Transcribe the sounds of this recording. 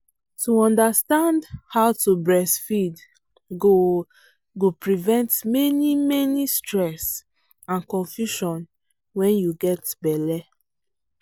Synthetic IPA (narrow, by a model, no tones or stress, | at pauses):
tuɔ̃ndastãndhaʊtubɹɛsfid | ɡo | ɡopɹivɛ̃ntmɛnimɛnistɹɛs | ãnkɔ̃ɱfjuʃɔ̃n | wɛ̃njuɡɛtbɛlɛ